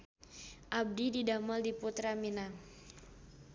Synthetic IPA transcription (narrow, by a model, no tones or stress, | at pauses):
ʔab̚dididaməldiput̪ɾamina